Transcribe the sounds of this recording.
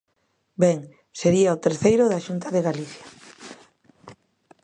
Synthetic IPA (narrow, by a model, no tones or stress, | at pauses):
bɛŋ | seɾiaot̪eɾθejɾʊðaʃunt̪aðeɣaliθja